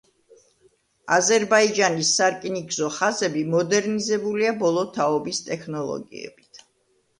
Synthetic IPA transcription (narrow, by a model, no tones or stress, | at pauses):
azɛɾbaid͡ʒanisːaɾkʼiniɡzɔχazɛbimɔd̪ɛɾnizɛbuliabɔlˠɔt̪ʰaɔbist̪ʼɛkʰnɔlˠɔ̰ɡḭɛ̰bit̪ʰ